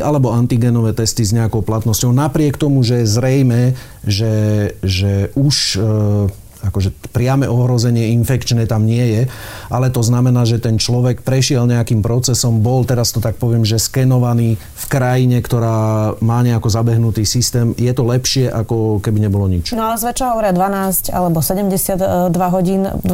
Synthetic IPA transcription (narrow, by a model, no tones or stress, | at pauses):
ʔalɛbɔant̪iɡɛnɔʋɛːt̪ɛst̪izɲɛakɔʊplat̪nɔscɔʊnapɾɪɛkt̪ɔmuʒɛjɛzɾɛjmɛː | ʒɛʒɛʔuʃ | akɔʒɛpɾɪamɛʔɔɦɾɔzɛɲɪɛinfɛkt͡ʃnɛːt̪amɲɪɛjɛ | ʔalɛt̪ɔznamɛnaːʒɛt̪ɛnt͡ʃlɔʋɛkpɾɛʃɪɛlɲɛakiːmpɾɔt͡sɛsɔmbɔlt̪ɛɾast̪ɔt̪ak̚pɔʋɪɛmʒɛskɛnɔʋaniː | fkɾajiɲɛkt̪ɔɾaːmaːɲɛakɔzabɛɦnut̪iːsist̪ɛːmjɛt̪ɔlɛpʃɪɛʔakɔkɛbiɲɛbɔlɔɲit͡ʃnɔalɛzʋɛt͡ʃɔɦɔʋɔɾɪad̪ʋanaːsca̰lɛbɔsɛɟɛmɟɛsɪad̪d̪ʋaɦɔɟiːnd̪